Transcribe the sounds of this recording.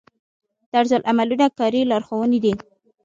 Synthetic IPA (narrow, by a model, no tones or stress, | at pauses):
d̪̥aɾzalʔamalunakɑɾilɑɾxowəned̪i